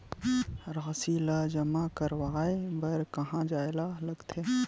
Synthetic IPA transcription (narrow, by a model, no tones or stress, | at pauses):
ɾɣɐsilad͡ʒɐmakɐɾwaaebɐɾkɐɦãd͡ʒaːjlalɐɡt̪ʰe